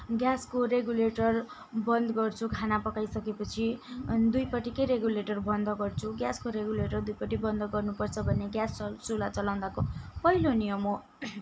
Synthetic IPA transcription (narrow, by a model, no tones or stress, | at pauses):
ɡjaskoɾeɡuleʈʌr | bʌnd̪ɡʌrt͡sʰukʰanapʌkajsʌkepʌt͡sʰid̪ujpʌʈikʌjɾeɡuleʈʌrbʌnd̪ʱʌɡʌrt͡sʰuɡjaskoɾeɡuleʈʌrd̪ujpʌʈibʌnd̪ʌɡʌrnupʌrt͡sʰʌbʱʌneɡjassulat͡sʌlaw̪̃d̪akopʌilonijʌmo